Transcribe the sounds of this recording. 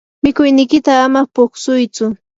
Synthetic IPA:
mɪkʊjnɪjkɪt̪aːmapʊksʊjt͡sʊ

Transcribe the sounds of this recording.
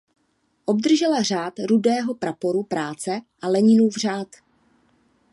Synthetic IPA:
ʔo̞b̚d̪r̩ʒɛlar̝aːt̪ɾudɛːɦo̞pɾapo̞ɾupɾaːt͡sɛʔalɛɲɪnuvr̝aːt̪

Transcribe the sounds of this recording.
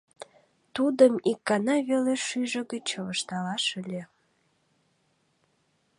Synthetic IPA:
t̪ud̪əmikːɑnɑβeleʃyʒə̆ɡət͡ɕəβəʃt̪ɑlɑʃəlʲe

